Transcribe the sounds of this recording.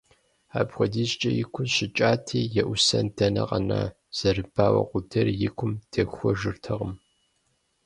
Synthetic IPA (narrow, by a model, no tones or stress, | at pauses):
aːbxʷɔdiːɕt͡ʃʼɐjɪkʷʰʊɕɪt͡ʃʼaːtʰeːjɛʔʷʊsɐndʰɐnɐqɐna̰ː | z̥ɐrɨb̥aːwɐ̰qʷʊdɐrjɪkʷʰʊmtʰexʷɔʒɨrtʰɐʁəm